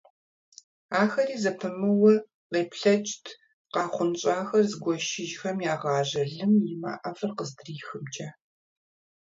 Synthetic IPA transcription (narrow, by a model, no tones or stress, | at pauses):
aːxɐɾiːzɐpʰɨmɨwɐ | ʁeːpɬɐt͡ʃʼtʰ | qɑːχʷʊnt͡ʃʼaːxɐrzɡʷɔʃɪʒxɐmjaːʁɑːʒɐɮɨmjɪma̰ːʔɐfɐrqəzdriːxɨmd͡ʒʼaː